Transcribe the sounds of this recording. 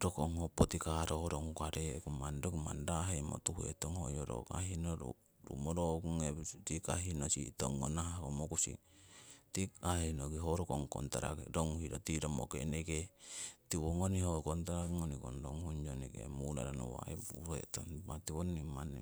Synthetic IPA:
ɾokoŋhopot̪ikaɾoɾoŋukaɾekumandokima̰ndaɦemo̰t̪uhuet̪oŋhojoɾo̰ka̰ɦinoɾṵ | ɾṵmoɾokuŋetikaɦinosit̪oŋːonaɦakomokusḭ | t̪iahenoɡiɦoɾokoŋko̰nt̪aɾa̰kɾoŋuhiɾot̪iɾomokeneket̪iwoŋonihokont̪aɾaŋonikonɾoŋhuɲd͡ʒonekḛmula̰ɾano̰wa̰iṵɾuḛt̪onmat̪iwonːiman

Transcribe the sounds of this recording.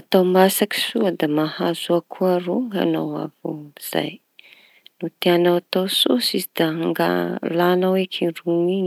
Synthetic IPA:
at̪awmasaki̥suad̪amahazuakʰuaɾuŋɡa̰nawa̰vṵiz̥a̰j | nut̪eanawat̪awsosizid̪̥aaŋɡa̰lanawekʰiruŋiɲ

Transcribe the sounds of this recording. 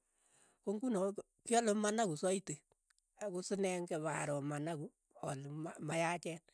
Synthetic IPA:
koŋɡunɔ | kjɔlʊmanakusɔite | akusɪnɛŋkɛβa̰ɾɔmanaku | ɔlamajat͡ʃɛn

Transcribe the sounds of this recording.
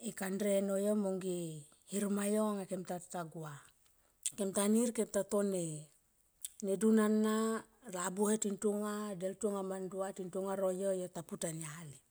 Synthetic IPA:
ikandɾenojomoŋɡi | hiɾmajoŋakemtataɡua | kemtaniɾkemtatone | nedunanːa | ɾabuhetintuŋadeltuŋamanduatintuŋaɾojojotaputaniali

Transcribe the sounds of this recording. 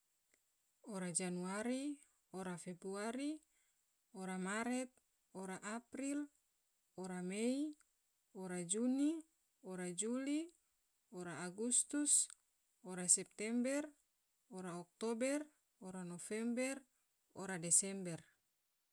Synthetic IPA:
oɾad͡ʒanuaɾi | oɾafebɾuaɾi | oɾamaɾɛt̪̚ | oɾaʔapɾil | oɾamei | oɾad͡ʒuni | oɾad͡ʒuli | oɾaːɡust̪us | oɾasɛp̚t̪ɛmbɛr | oɾaɔk̚t̪obɛr | oɾanofɛmbɛr | oɾadɛsɛmbɛr

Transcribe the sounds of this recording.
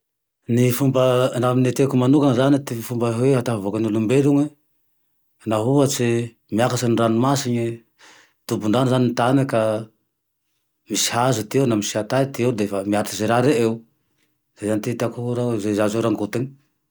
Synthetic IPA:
nifumbənaminet̪ekumanukanazanit̪ifumbaɦeat̪afavokanilumbeluŋe | naɦuat͡ʃi | miakasaniranumasiɲi | t̪ubuɳɖ͡ʐanizaninit̪anika | misi̥ɦazut̪ienamisiat̪at̪ieud̪efamiat̪izeɾaɾeew | z̥ezanit̪it̪akuɦɾazezazewɾaŋɡut̪eɲ

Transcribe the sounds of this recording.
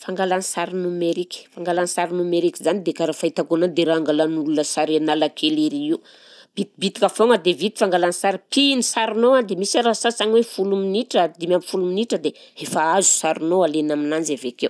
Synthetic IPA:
faŋɡalanisaɾinumeɾiki̥faŋɡalanisaɾinumeɾikizanid̪ekaɾafait̪aɡonand̪eɾaŋɡalanulunəsaɾenalakʰeleɾiiw | b̥it̪̚bit̪i̥kəfoŋəd̪evit̪i̥faŋɡalanisaɾipinisaɾinoad̪emisaɾasasaŋwefuluminiʈ͡ʂəd̪imamifuluminiʈ͡ʂəd̪eefaazu̥saɾunoalenaminand͡ʒavekew

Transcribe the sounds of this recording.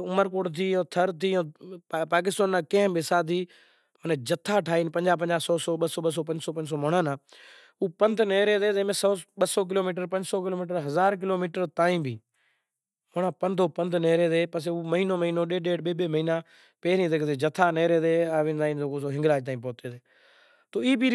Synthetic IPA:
ʊməɾk̬oːʈt̪ʰiːõːt̪ʰəɾt̪ʰiːõːpaːk̬ɪst̪aːnːãːkẽːɦmbɪsaːt̪̬iː | mənːd͡ʒət̪ʰːaːʈʰaːiːnpəɲd͡ʒaːp̬əɲd͡ʒaːsɔːsoːɓəsoːɓəsoːpə̃ɲd͡ʒsoːpə̃ɲd͡ʒsoːmoːɳãːnãː | uːpənd̪neːɾeːzeːzeːmẽːsoːɓəsoːk̬ɪloːmiːʈəɾpə̃ɲd͡ʒsoːk̬ɪloːmiːʈəɾɦəzaːɾk̬ɪloːmiːʈəɾt̪ãːĩːbʱiː | moːɳãːpənd̪ʱoːpənd̪neːɾeːzeːpəs̬eːuːməɦiːnoːməɦiːnõːɗeːɗeːɖɓeːɓeːməiːnaː | peːɾĩːd̪eːkʰd̪eːd͡ʒət̪ʰːaːneːɾeːd̪eːaːʋĩːnzaːiːnd̪oːkoːsoːɦɪ̃ŋɡɾaːd͡ʒt̪aːĩːpoːt̪eːt̪eː | t̪oːiːbiː

